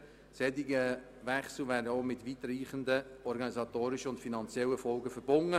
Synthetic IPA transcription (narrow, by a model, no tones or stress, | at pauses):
sɛdiɡə | vɛχsl̩væːɾdəoːmɪtʋit̪ɾiːχəndəɔɾɡɑnizɑtoːɾɪʃəʊntfinɑnt͡sjɛlːəfɔlɡəfəɾb̥ʊŋə